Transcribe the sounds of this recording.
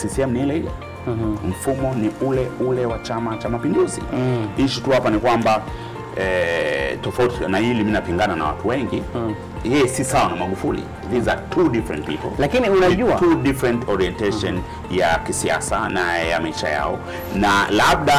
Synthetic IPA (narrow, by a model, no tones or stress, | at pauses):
sisiɛmniɛlɛia̰ | m̩fumɔniʔulɛulɛwat͡ʃamat͡ʃamapinduzḭɲ̩ʃituhapanikwamba | ɛtɔfautinahiliminapiŋɡanana̰wa̰tuwɛŋɡi | jɛjɛsisawanamaɠufulḭ | ðizatʰuɗifɾɛ̰nt̚pḭpɔ̰llakiniunaʄuatuɗifɾɛntɔɾiɛntɛʃɔn | jakisia̰sanaɛja̰maiʃa̰ja̰ɔ | nalab̚ɗa